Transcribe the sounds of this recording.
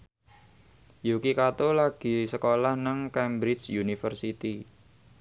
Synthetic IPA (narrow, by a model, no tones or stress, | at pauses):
jukikat̪olaɡ̥i̤səkolahnaŋkɛmbɾɪt͡ʃjunifərsit̪i